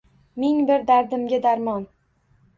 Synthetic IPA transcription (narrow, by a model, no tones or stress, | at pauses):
mɪŋbɪɾd̪aɾd̪ɪmɡʲad̪aɾmɒn